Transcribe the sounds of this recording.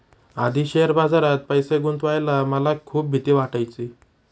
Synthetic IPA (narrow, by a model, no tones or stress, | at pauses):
ad̪ʱiːɕeəɾbad͡zaɾat̪̚pəjseɡunt̪ʋajlaməlakʰuːp̚bʱit̪iːʋaʈajt͡si